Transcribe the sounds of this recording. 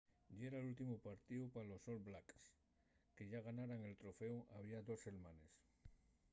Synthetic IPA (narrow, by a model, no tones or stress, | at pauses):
ʎeɾalult̪imupaɾt̪iwpalosolblaks | keʝaɣ̞anaɾaŋe̞lt̪ɾofewaβ̞iaðose̞lmanes